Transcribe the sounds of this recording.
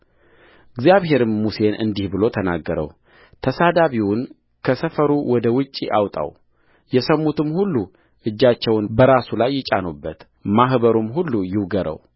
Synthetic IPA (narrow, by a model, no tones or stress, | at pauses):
ʔɨɡzjaβhe̞ɾɨmːuse̞nɨ̰nd̪ihbɨlo̞t̪ʰəna̰ɡːəɾə̰w | t̪ʰəsad̪aβiwʊn | kʰəsəfəɾuwɔd̪əwɨt͡ʃʼːiʔawt̪ʼa̰w | jɛsəmːut̪ʰɨmhulːu | ʔɨd͡ʒːat͡ʃːɛwnbəɾasulajːɪt͡ʃʼa̰nubːət̪ | maɦbəɾumɦulːujɪwɡəɾə̰w